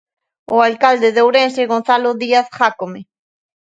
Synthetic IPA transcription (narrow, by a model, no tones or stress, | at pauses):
oalkald̪eðewɾenseɣonθaloðiaθχakome